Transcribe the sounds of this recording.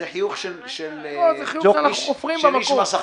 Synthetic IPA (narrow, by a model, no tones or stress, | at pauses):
eħijuχʃelʃelozeχijuoʃeanaχnuofʁimbemakomasa